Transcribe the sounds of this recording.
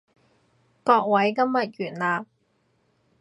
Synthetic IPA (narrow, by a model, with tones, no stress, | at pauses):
kɔː˧k̚wɐ˨˥jkɐ˥mjɐ˨t̚jyː˨˩nlaː˨p̚